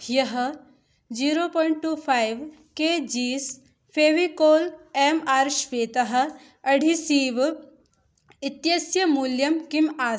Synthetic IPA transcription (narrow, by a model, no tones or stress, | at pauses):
jɐɦ | d͡ʒiːɾoːpɔːɪɳʈ̚ʈuːpʰaːjʋ | keːd͡ʒiːs | pʰeːʋikoːleːmaːɾʃʋeːt̪ɐɦɐ̆ | ɐɽʱisiːʋ | it̪jɐsjɐmuːljɐmkimaː